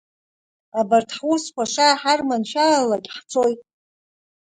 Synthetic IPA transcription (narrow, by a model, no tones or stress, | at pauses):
abartʰħwuskʷaʂaːħarmanʃalakʲʼħt͡sʰojtʼ